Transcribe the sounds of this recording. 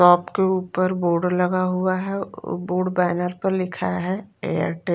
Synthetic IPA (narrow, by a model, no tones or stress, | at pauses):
ɔːpkeuːpəɾboːɾɖlɐɡaɦuaɦɛ̰boːɖbɛːnəɾpəɾlɪkʰaɦɛḛːə̰ɾʈe